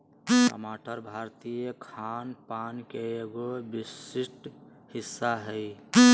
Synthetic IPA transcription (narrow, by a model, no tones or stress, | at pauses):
pə̰maʈəɾbʱaɾt̪ijekʰanpankeeɡobisisʈ | hisːaɦəj